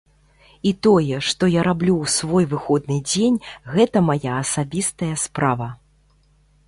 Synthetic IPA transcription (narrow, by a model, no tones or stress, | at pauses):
it̪ɔjɛʂt̪ɔjaɾablʲuwsvɔjvɨxɔd̪nɨd͡zʲenʲɣɛt̪ɐmajaɐsabʲist̪ɐjɐspɾavɐ